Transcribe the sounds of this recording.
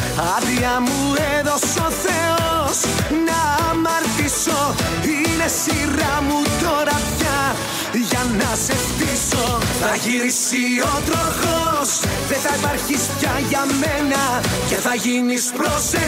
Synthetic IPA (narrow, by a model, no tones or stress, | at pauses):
ɐðiɐmu | eðo̞soθeo | s | nɐmɐɾt̪iso̞ | inesiɾɐmut̪oɾɐpçɐ | ʝɐnɐseft̪iso | nɐʝiɾisiot̪ɾoxos | ðet̪ɐepɐɾçiscɐʝɐmenɐ | ceθɐʝinispɾose